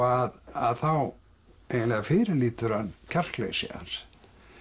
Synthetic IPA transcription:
aðaðθaw | ejnnlɛɣafɪːɾɪliːt̪ʏɾ̥hanːcʰar̥klḛːsɪ̰a̰ns

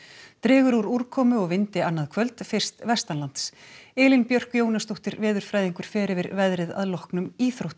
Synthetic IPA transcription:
t̪ɾɪːɣʏɾuɾuɾ̥kʰɔːmʏɔɣvɪnt̪ɪanːaðkʰvœlt̪fɪr̥st̪vɛst̪anlant̪sɪːlɪnpjœr̥kjoːwnast̪owht̪ɪɾvɛːðʏɾ̥fɾaːjðiŋkʏɾ̥fɛːɾɪvɪɾvɛðɾɪða̰ðlɔhknʏmiːθɾowht̪

